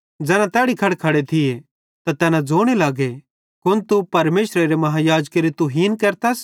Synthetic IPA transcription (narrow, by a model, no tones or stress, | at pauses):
d͡zɛːnãt̪ɛːɽikʰɐɽkʰɐɽet̪ʰɪje | t̪at̪ɛːnãd͡zoːɽ̃elaːɡe | kʊnt̪upɐɾmeːsɾeɾemɐɦajaːd͡ʒkeɾit̪uɦiːnkɐɾt̪as